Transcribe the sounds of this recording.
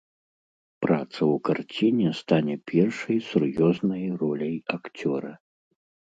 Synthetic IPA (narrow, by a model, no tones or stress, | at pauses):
pɾat̪sɐwkart͡sʲinʲɛst̪anʲɛpʲʰɛrʂɐjsurjɔznɐjrɔlʲɐjakt͡sʲɔɾɐ